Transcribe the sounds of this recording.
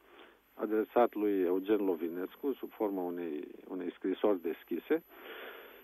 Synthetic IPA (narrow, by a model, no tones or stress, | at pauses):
a̰d̪ɾesat̪lujeud͡ʒenlovineskusubformauneṵnejskɾiso̞rʲd̪eskʲise